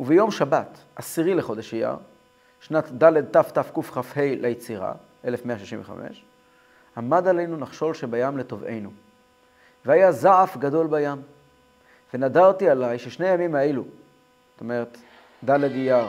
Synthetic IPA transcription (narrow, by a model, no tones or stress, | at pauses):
uvejo̞mʃabat | ʔasiʁileχo̞d̪eʃija̰ʁ | ʃnat̪daled̪̚taft̪afkufχafhe̞jlejet͡siʁa̰ | ʔe̞lefmeaʃiʃḭmveχa̰mʔḛʃ | amad̪ale̞jnunaχʃo̞lʃebajamleto̞ve̞̰jnu | vehajazaʕafɡado̞lbajam | venadaʁt̪ialajʃeʃnejamimaelu | zot̪o̞meʁet̪ | d̪aledijaʁ